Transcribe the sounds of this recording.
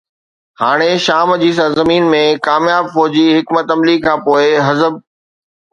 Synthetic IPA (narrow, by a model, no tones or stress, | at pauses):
haːɽ̃eʃaːmd͡ʑiːs̬ɐɾzəmiːnmẽkaːmjaːbfɔːd͡ʑiɦɪkmət̪ɐmlikʰãːpoːɪɦɐzəb̚